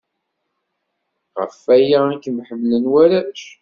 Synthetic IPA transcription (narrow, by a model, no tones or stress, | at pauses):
ʁə̰fæjæækəmħəmːlənwæɾæʃ